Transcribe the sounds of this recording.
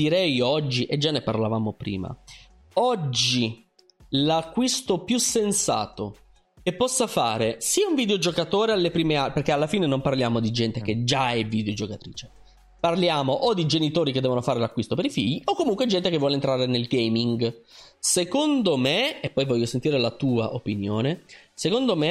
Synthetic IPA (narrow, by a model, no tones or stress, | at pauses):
d̪iɾɛjɔd͡ʒːiʔed͡ʒanːeparlavaːmopɾḭːma̰ | ɔd͡ʒːi | lakːwist̪opjusensa̰ːt̪o̰ | kepːɔsːafa̰ːɾesiːauɱviːd̪eod͡ʒokat̪oːɾealːepɾiːmeaperkːealːafiːnenomparljaːmod̪id͡ʒɛnt̪ek̟ed͡ʒaɛvid̪eod͡ʒokat̪ɾḭːt͡ʃe̥ | parljaːmoʔod̪id͡ʒenit̪oːɾiked̪ːɛvonofaːɾelakːwist̪opeɾifḭʎːiokːomuŋkwed͡ʒɛnt̪ekevːɔːlent̪ɾaːɾenelɡejmiŋɡsekond̪omeepːɔjvɔʎːosent̪iːɾelat̪uːa̰ʔopinjoːnesekond̪ome